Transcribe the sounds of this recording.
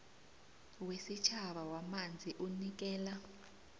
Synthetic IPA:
wesit͡ʃʰaɓawamand͡zʱiʔunik̬ɛːla

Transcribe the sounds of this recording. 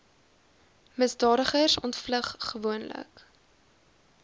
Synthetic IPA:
məsdɑːɾəχərsɔntfləχːəvuənlə̰k

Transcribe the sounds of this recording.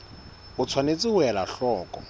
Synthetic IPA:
ʊt͡sʰwanet͡sʼɪʊɛlaɬɔːkʼɔ̰

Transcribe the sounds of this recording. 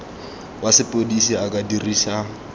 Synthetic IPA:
wasɪpʼodisiakʼadiriːsa

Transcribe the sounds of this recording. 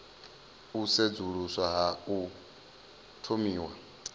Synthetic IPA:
used͡zuɺuswaɦau | tʰomiːwa̰

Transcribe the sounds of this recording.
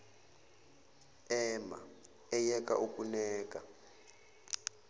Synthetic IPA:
ɛma̰ | ɛjɛkʼa̰ʔukʼunɛːkʼa

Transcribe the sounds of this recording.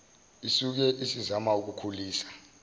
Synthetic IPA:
isuk̬ɛʔisizamauk̬ukʰuliːsḁ

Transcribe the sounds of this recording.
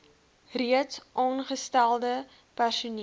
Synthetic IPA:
riətsʔɑːnχəstælˠdə | pærsuni

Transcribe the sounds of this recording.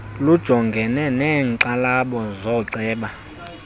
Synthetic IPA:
lud̥ʒ̥ʱɔŋɡʱɛnɛnɛːŋǀalaɓɔzɔǀɛːɓa

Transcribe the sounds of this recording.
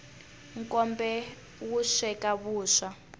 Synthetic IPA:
ŋ̩kʼɔmbɛ | wuʃɛkʼaβuːʃa

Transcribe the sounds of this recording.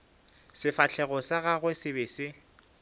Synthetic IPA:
sɪfat͡ɬʰɛɣɔsaɣaɣwesɪbeːsɪ

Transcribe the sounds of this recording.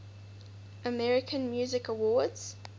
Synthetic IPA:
ʔəmɛɹɪkʰə̃nmjʉːzɪkəwɔːdz̥

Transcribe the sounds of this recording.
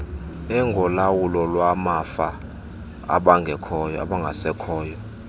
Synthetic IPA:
ɛŋɡʱɔlawulɔlwamafa | a̰ɓaŋɡʱɛkʰɔja̰ɓaŋɡʱasɛkʰɔːjɔ

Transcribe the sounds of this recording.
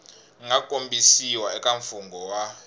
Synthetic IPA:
ŋakʼombʱisiwaɛkʼaɱfuŋɡʱɔwa

